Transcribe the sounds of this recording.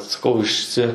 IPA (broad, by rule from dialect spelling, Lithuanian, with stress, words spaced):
sɐˈkɐʊ ɪʃʲˈsʲɪ